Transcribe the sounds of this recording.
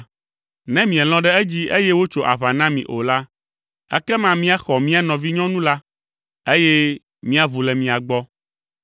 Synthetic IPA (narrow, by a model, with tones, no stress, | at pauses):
nɛ̃˦mĩ˨ɛ̃˨l̃ɔ̃˦ɖɛ˦ɛ˦d͡ʑi˦e˦jɛ˦wo˦t͡ʃo˨ʔa̰˨βa˨nã˦mḭ̃˨ʔo˨la˦ | ɛ̰˦kɛ˦mã˦mĩ˦a˦xɔ˨mĩ˦a˦nɔ̃˨vi˦ɲɔ̃˦nũ˦la˦ | e˦jɛ˦ | mĩ˦a˨vu˨lɛ˨mĩ˨a˨ɡ͡bɔ˦